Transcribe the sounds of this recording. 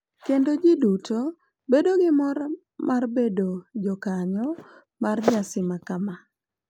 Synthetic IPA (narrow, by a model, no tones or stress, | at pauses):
kendod͡ʒiduto | bedoɡɪmɔɾ | marbedod͡ʒɔkaɲɔ | marɲasɪmakama